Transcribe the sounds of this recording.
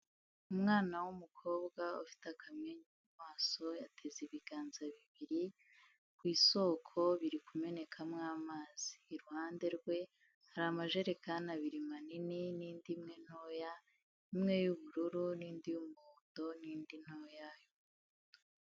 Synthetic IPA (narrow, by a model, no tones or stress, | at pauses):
umŋaːnawumukʰo̞ːbɡaufi̥takʰamɲeɲ | mwaːso̞jatʰeziβiɡ̥aːnzaβiβiɾi | kwiːso̞kʰo̞βiɾikume̞ne̞kʰamŋaːmaːz̥i̥ːɾuhaːnde̞ɾɡwe̞ | haɾamaʒe̞ɾe̞kanaβiɾimanininiːndimŋe̞n̥o̞ja | imŋe̞juβuɾuɾuniːndijumund̥o̞niːndin̥ojajo